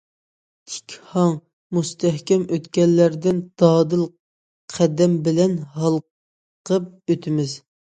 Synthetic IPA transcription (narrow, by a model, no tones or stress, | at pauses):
t̪ʰɪ̥kʲhɑŋ | must̪ʰɛhkʲɛmøt̪kʲɛnlːæɾd̪ɪnd̪̥ɑːd̪ɨl | qʰæd̪ɛmbɪlɛnɦɑlˠ | qʰəp̚øt̪ʰɪmɪz